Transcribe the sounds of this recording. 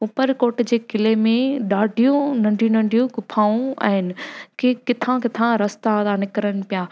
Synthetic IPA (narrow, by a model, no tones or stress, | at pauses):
upəɾkoːɾʈd͡ʑeːkɪlemẽɗaːɖʱijũnɐ̃ɳɖʱijũnɐ̃ɳɖʱijũkʊpʰaːũa̰ːɦɪnɪ̆kʰekɪt̪ʰãkɪt̪ʰãɾɐst̪ad̪anɪkɾənɪ̆pijaː